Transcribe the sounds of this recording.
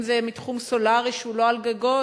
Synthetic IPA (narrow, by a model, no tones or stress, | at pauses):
zemitχumso̞laʁiʃulo̞alɡaɡo